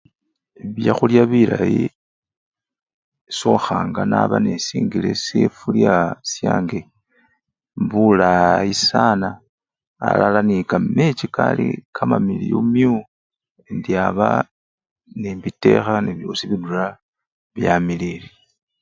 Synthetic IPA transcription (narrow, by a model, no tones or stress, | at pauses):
βjaxuljaβilaji | so̞xaːŋɡanaβanesiːŋɡile̞sefuljasjaːŋɡe | mbulaisanaː | lalanikame̞t͡ʃikalikʰamamilijomju | endiaβa | nebite̞xaneβjo̞ːsiβidula | βjamilili